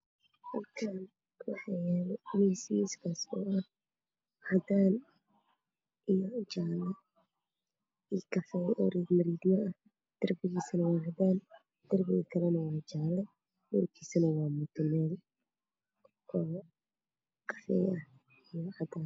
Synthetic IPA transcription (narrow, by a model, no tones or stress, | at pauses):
hɐlkʰaːn | wɑħɑjɛːlɛɪnismiskʰaːsɔʔɐh | hɐd̪aːn | ʔijɔt͡ʃaːlɛ | ikɐfɛjɔ̰ːɾɛɡ̪mɐɾiːd̪mɐʔɐh | d̪̥ɐrbɪɣiːsɐnɐwɑːhɐd̪aːn | d̪̥ɐrbɪḭkʰɐlɛnɐwɑːt͡ʃaːlɛ | mʊrkʰiːsɐnɐwɑːmʊt̪ʊmɛːl | ɔː | qʰɐ̥fɛːjɐh | ɪjɔʕɐd̪aːn